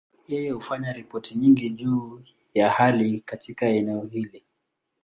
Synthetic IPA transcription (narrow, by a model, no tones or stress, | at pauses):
jɛjɛhufaɲaɾipɔtiɲiŋɡiʄuː | jahalikatikaɛnɛɔhili